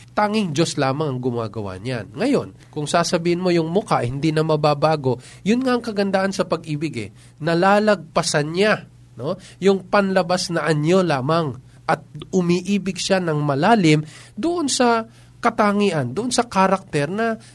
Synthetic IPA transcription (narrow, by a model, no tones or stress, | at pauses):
t̪aːŋɪŋd͡ʒo̞slaːmɐŋɐŋɡʊma̰ːɡɐ̰wa̰ɲa̰nŋɐjo̞n | kʊŋsaːsɐbiːhɪnmo̞jʊŋmʊkaʔɐjhɪnd̪inɐmɐbaːbaːɡo̞ | jʊnŋaʔɐŋkɐɡɐnd̪aːʔɐnsɐpɐɡ̚ʔiːbɪɡɛ̰ | nɐlaːlɐɡ̚pɐsanɲa | no̞ | jʊŋpɐnlɐbasnɐʔɐno̞laːmɐŋ | ʔɐt̪̚ʊmiːʔiːbɪɡʃanɐŋmɐlaːlɪmd̪ʊʔo̞nsɐ | kɐt̪aŋiʔɐnd̪ʊʔonsɐkaɾɐk̚t̪ɛɾnɐ